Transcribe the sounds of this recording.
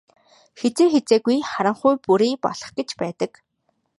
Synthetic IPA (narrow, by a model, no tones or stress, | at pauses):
xet͡seːxet͡seːɣujχaɾə̆ɴχʊjpuɾiːpɔ̰ɮ̥ɞ̆χɡet͡ɕpæːt̪ə̆k